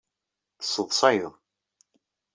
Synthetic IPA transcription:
θə̥sˤːəðˤsˤɑjəðˤ

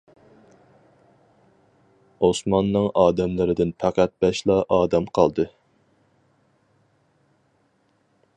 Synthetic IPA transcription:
osmɑnːɨŋɑːd̪ɛmlˠɨɾɪd̪ɪnpʰæqæt̪̚bɛʃlˠɑʔɑːd̪ɛmqʰɑlˠd̪ɨ

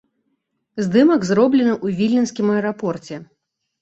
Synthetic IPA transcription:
zd̪ɨmɐɡzɾɔblʲɛnɨʔuvʲilʲːinsʲkʲimɐɛɾapɔrt͡sʲɛ

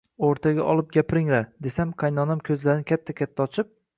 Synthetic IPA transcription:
oɾt̪ʰaɡʲaʔɒlˠɪp̚ɡʲapɪɾɪŋlaɾd̪e̞samqʰɑjnɒnamkʲʰɵzlaɾɪnɪkʲʰat̪ʰːakʲat̪ʰːaɒt͡ʃʰɪp̚

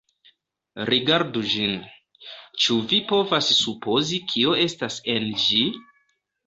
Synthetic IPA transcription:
ɾʔiɡaɾdud͡ʒin | t͡ʃuvipo̞vasːupo̞zikʰio̞e̞stase̞nd͡ʒi

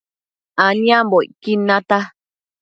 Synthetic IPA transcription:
aɲĩãmboikinãt̪a

